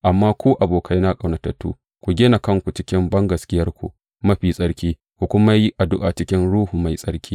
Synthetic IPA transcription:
ʔa˨mːaː˦kʷuː˦ʔa˨boː˨kʰa˦jna˦kʼa˨wnɐ˨tɐ˨tːṵː˦ | kʷu˨ɡʲeː˦na˨kɐ˦ŋkʷu˨t͡ʃɪ˦kʲɪ˦mbɐ˦ŋɡɐ˨skʲɪ˦jɐ˦rkʷṵ˨ʔ | mɐ˦ɸiː˨sʼɐ˦ɽkʲiː˦ | kʷu˨kʷʊ˦ma˦ji˦ʔa˨dʊ˦ʔaː˨t͡ʃɪ˦kʲɪ˦nɽuː˦hu˨ma˨jsʼɐ˦ɽkʲiː˦

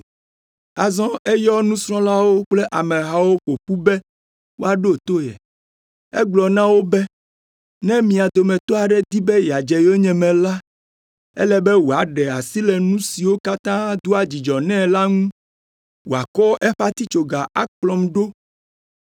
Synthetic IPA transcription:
a˨zɔ̃˦ʔɛ˦jɔ˦nũ˦sɾ̃ɔ̃˦la˦wo˦k͡ple˦ʔa˨mɛ̃˨ɦa˨wo˦ɸo˨ɸu˦bɛ˦ | wo˦a˨ɖo˦˨t̪o˦jɛ̰˨ | ɛ˦ɡ͡blɔ˨nã˦wo˦bɛ˦ | nɛ̃˦mĩ˨a˨d̪o˨mɛ̃˨t̪ɔ˦a˨ɖɛ˦d̪i˦bɛ˦ja˨d͡ʒɛ˨jo˦ɲɛ̃˨mɛ̃˨la˦ | ɛ̰˦lɛ˦bɛ˦wo˨a˨ɖɛ˨a˨si˦lɛ˨nũ˦si˨wo˦ka˦t̪ã˦d̪u˦a˨d͡ʑi˨d͡ʒɔ˨nɛ̃˦la˦ŋũ˦ | wo˨a˨kɔ˦ʔɛ˦ɸa˦t̪i˦t͡ʃo˨ɡa˨ʔa˦k͡plɔ˨mɖo˦

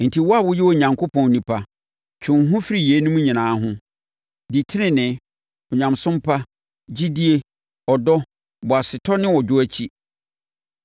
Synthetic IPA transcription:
n̩˨tʰi˨wɔ˦a˦wʊ˦jɛ˦wɔ˨ɲã˨ŋkʰo˦pʰɔ̃˨n˨nĩ˨pʰa˦ | t͡ɕʰʊ̃˨ŋɦʊ̃˦fi˦ɾi˨je˨˦nũ˦mũ˦ɲĩ˨nãː˨˦ɦʊ̃˦ | di˨tʰɪ˦nɪ̃˦˨nɪ̃˨ | ɔ˨ɲã˨msʊ̃˦mpʰa˦ | d͡ʑi˦di˦e˦ | ɔ˨dɔ˦ | bɔ˨a˨sɪ˨tʰɔ˦nɪ̃˦wɔ˨d͡ʑᶣʊ˦æ˦t͡ɕʰi˦

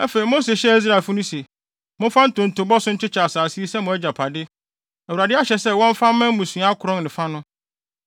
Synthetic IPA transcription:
ɛ˦fe˨ɾi˨mo˦se˨ɕɛ˦i˦s̬ɾa˨e˨fʊ˦nʊ̃˦se˨ | mʊ̃˦fã˦n̩˦tʊ̃˨n̩˨tʰʊ˨bɔ˦sʊ̃˦ɲ̩˦t͡ɕɪ˦t͡ɕʰa˨a˨saː˨si˦e˦sɛ˦mʊ̃˨æ˦d͡ʑa˨pʰa˨dɪ˦ | æ˨wu˨ɾa˨dɪ˦a˦ɕɛ˨sɛ˦wɔ̃˦ɱ˦fã˦mã˦m˦mũ˨sũ˨a˦a˦kʰʊ˨ɾɔ̃˦nnɪ̃˨fa˦nʊ̃˦

